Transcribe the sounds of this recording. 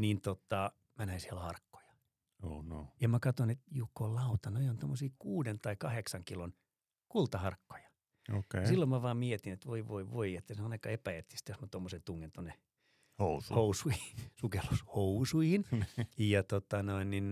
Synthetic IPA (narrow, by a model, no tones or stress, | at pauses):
nint̪ot̪ːɑ | mænæinsiɛlhɑrkːo̥j̥ɑ̥ | oːnojɑmækɑt̪onet̪jukːollɑut̪ɑnoiont̪omːosiːkuːdent̪ɑikɑheksɑŋkilon | kult̪ɑhɑrkːo̥jɑ̥ | osilːommæʋɑːmmiet̪inet̪ʋoiʋoiʋoiet̪ːæsenɑnɑkɑepæet̪ːi̥st̪josmæt̪omːosent̪uŋːent̪onːe | housuhousuihisukelːushousuihinjɑt̪ot̪ɑnoinnin